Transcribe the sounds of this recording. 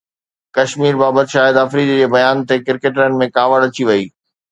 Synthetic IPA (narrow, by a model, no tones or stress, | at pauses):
kɐʃmiːɾbaːbət̪ɪʃaːɪəd̪ɐfɾiːd̪d͡ʑeːbɐjaːnt̪ekɪɾkeːʈ̬ɾənɪ̆mẽkaːʋəɽɐt͡ɕiʋɐiː